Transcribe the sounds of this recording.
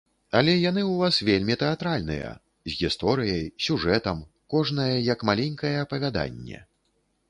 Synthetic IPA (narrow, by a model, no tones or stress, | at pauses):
alʲɛjan̪ɨwvasvʲelʲmʲit̪ɛat̪ɾalʲnɨ̰jɐ̰ | zʲɣʲist̪ɔɾɨjɐjsʲuʐɛt̪ɐm | kɔʐn̪ɐjɛjɐkmalʲenʲkɐjɛːpɐvʲad̪a̰nʲːɛ̰